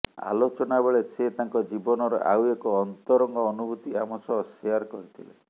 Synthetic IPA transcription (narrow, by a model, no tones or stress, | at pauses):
a̰lot͡ʃɔnabeɭeset̪aŋkɔd͡ʒibɔnɔɾɔ̰ʔa̰wekɔːnt̪ɔɾɔŋɡɔːnubʱut̪iamɔsɔsiaɾkɔɾit̪ʰile